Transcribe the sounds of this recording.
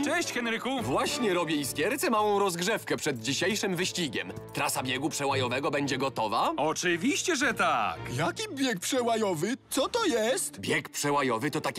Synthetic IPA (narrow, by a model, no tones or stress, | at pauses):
t͡ʂɛɕt͡ɕxɛnɾɘkuvwaɕɲɛɾɔbʲjɛiskʲjɛɾt̪sɛmawɔ̃w̃ɾɔzɡʐɛfkɛpʂɛd̪̚d͡ʑiɕejʂɘmvɘɕt͡ɕiɡʲɛm | t̪ɾasabʲjɛɡupʂɛwajɔvɛɡɔbɛɲd͡ʑɛɡɔt̪ɔvaɔt͡ʂɘvʲiɕt͡ɕɛʐɛt̪akjakʲibʲjɛk̚pʂɛwajɔvɘt̪sɔt̪ɔjɛst̪bʲjɛkpʂɛwajɔvɘt̪ɔt̪akʲ